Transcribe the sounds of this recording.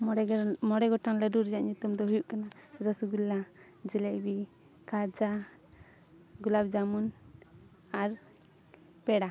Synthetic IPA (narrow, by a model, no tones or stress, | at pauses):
mɔɽɛɡɔʈaŋlɛɖuɾd͡ʒaʔɲut̪umd̪ɔɦujuʔkanad͡ʒɔsuɡulːa | d͡ʒilɛbi | kad͡ʒa | ɡulabd͡ʒamun | aɾ | pɛɽa